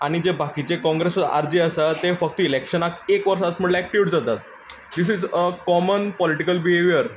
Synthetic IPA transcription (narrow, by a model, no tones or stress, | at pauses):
aɽ̃id͡ʑebʱakit͡ɕekɔ̃ŋɡɾesəa̰ɾd͡ʑiəsət̪efək̚t̪əilekʂənakekʋəɾʂasm̤əɳlaek̚ʈiuʈd͡zat̪at̪̚ | d̪isizəkɔmənpɔliʈikəlbiɦeʋijəɾ